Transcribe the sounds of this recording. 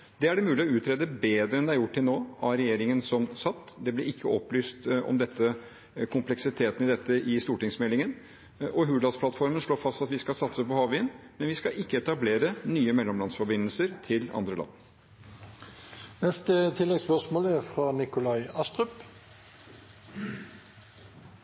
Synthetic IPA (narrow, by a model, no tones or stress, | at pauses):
d̪ɛæɖɛmʉːlɪɔʉːt̪ʰɾeːd̪əbeːd̪ɾəɛnd̪ɛæɾjʊʈːɪlnoːɑɾɛjeːɾɪŋənsɔmsɑt̪ːd̪ɛblɛɪkʰːəɔpːlyːst̪ʔɔ̰md̪ɛt̪ːə | kʰʊmplɛksɪt̪ʰeːt̪n̩ɪd̪ɛt̪ːəʔɪst̪uːʈɪŋsmɛlːɪŋən | ʔɔɦʉːd̪ɑd̪spʰlɑt̪fɔɾmənʂɭoːfɑst̪ɑt̪ʋɪskɑsɑt̪səpɔhɑːʋɪənmɛnʋɪskɑʔɪkːəɛt̪ɑbleːɾənyːəmɛlːɔmlɑnsfɔɾbɪnːəlsəɾt̪ʰɪlɑ̰nd̪ɾəlɑ̰nː | nɛst̪ət̪ʰɪlːɛɡspœʁsmoːlæʁfɾɑːnɪkʊlɑɪɑst̪ʁʉp